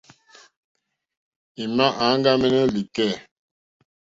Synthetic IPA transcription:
i˨ma˦ʔa˨˦ŋ˦ɡa˦mɛ˦nə˦li˨kɛ˦˨

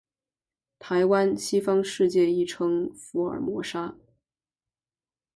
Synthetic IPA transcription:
t̪ʰa˧˥ɪwa˥nɕi˥fɑ˥ŋʂɻ̩˥˧t͡ɕjɛ˥˧i˥˩ʈ͡ʂʰɤ˥ŋfu˧˥ə̰˞˨˩mwɔ˧˥ʂa˥

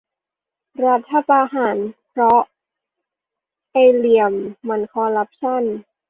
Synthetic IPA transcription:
ɾa˦˥t̪ʰːa˧paː˧ɦa˩˦npʰɾɔ˦˥ | ʔa˧jli˧əmːa˧nkʰɔː˧ɾa˦˥p̚t͡ɕʰa˥˩˨n

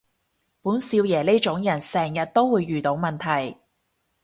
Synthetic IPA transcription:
puː˨˥nsiː˧wjɛː˨˩le˥t͡ʃʊ˨˥ŋjɐ˨˩nsɛː˨˩ŋjɐ˨t̚t̪o˥wwuː˨˧jːyː˨t̪o˨˧˥wmɐ˨nt̪ʰɐ˨˩j

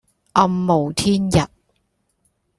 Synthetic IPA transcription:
ʔɐ˧mːo˨˩wt̪ʰiː˥njɐ˨˩t̚

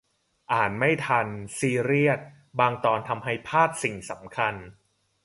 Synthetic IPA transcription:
ʔaː˨˩n̚ma˥˩jt̪ʰa˧nsiː˧ɾi˥˩ət̪̚ | baː˧ŋt̪ɔː˧nt̪ʰa˧mɦa˥˩jpʰaː˥˩t̪̚si˨˩ŋsa˩˦mkʰa˧n

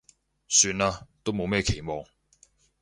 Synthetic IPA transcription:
syː˧naː˧t̪o˥wmo˨˧wmɛː˥˧kʰe˨˩jmɔː˨ŋ

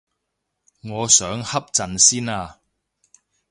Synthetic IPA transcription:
ŋɔː˨˧sœː˨˥ŋhɐ˥p̚t͡sɐ˨nsiː˥naː˧

